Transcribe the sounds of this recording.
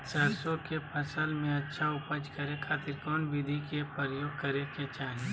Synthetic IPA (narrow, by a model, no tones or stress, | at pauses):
səɾsokepʰəsəlmẽɐtːʃʰaʊpəd͡ʒkəɾekʰaːt̪ɪɾkɔːnbɪd̪ʱikepəɾjoːɡ̚kəɾeket͡ʃaːɦe